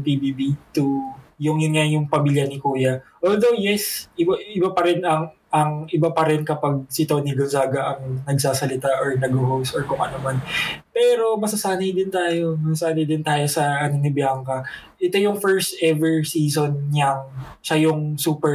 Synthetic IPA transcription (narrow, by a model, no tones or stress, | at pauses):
pibibit̪ujʊŋjʊnjajʊŋpɐmiːljɐnɪkuːjɐʔold̪o̞wjɛsʔɪbaʔɪbapɐɾɛnɐŋʔɐŋʔɪbapɐɾɪnkɐpaɡ̚sɪt̪onɪɡonzaːɡɐʔɐŋnɐɡsaːsɐlɪt̪aʔoɹnɐɡoɦowsoɹkʊŋʔɐ̰nomanpɛːɾo̞mɐsɐsaːnɐjd̪ɪnt̪aːjo̞mɐsɐsaːnɐjd̪ɪnt̪aːjo̞sɐʔɐnonɪbjaŋkɐ | ʔɪt̪ojʊŋfɛɹst̪ʔɛvɛɹsiːsonɲɐŋ | ʃajʊŋsuːpɛ